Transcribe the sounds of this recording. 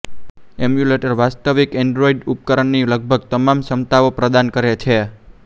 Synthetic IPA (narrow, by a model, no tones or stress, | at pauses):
emjuleʈəɾʋast̪əʋikɛɳɖɾoiɖup̚kəɾəɳniləɡ̚bʱəɡ̚t̪əmamsəmt̪aopɾəd̪ankəɾet͡ʃʰe